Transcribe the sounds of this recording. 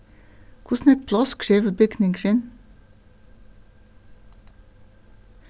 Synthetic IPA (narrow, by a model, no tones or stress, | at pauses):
kʰʊsnɛk̚pʰlɑskʰɾiːʋbʏɡnɪŋɡɾɪn